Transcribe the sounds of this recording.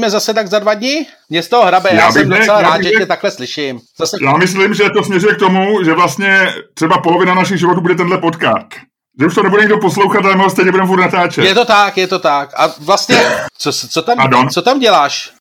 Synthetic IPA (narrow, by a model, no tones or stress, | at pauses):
mɛzasɛt̪aɡzadvad̪ɲɪmɲɛst̪oɦoɦɾabɛjaːsɛɪoɛt͡sɛlaɾaːt̪ʒɛɛɛt̪aklɛslɪʃɪmzasɛjaːmɪslɪmʒɛt̪osmɲɛɾujɛk̚t̪o̞muʒɛvlast̪ɲɛt̪r̥ɛbapolovɪnanaʃ̬ɪɣʒɪvo̞t̪uːbudɛt̪ɛndlɛpot̪ka̰ːst̪ | ʒɛuʃt̪onɛbudɛɲɪɡdoposlowxat̪alɛmɪɦost̪ɛɲɛbudɾɛmɛfuɾt̪nat̪aːt͡ʃɛjɛt̪ot̪akjɛt̪o̞t̪akʔavlast̪ɲɛt͡sost͡sot̪ampaɾdont͡sot̪amɟɛlaːʃ